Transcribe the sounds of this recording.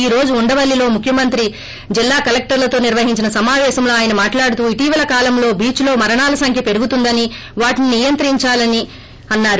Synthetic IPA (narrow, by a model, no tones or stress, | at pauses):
iːɾo̞ːd͡ʒuːɳɖɐʋɐlːilo̞ːmukʰjɐmɐnt̪ɾi | d͡ʒilːaːkɐlek̚ʈɐɾlɐt̪o̞ːniɾʋɐɦiɲt͡ʃinɐsɐmaːʋɛːʃɐmlo̞ːaːjɐnɐmaːʈlaːɽut̪uːiʈiːʋɐlɐkaːlɐmlo̞ːbiːt͡ʃlo̞ːmɐɾɐɳaːlɐsɐŋkʰjɐpe̞ɾuɡut̪und̪ɐni | ʋaːʈininijɐnt̪ɾiɲt͡ʃaːlɐni | ɐnːaːɾu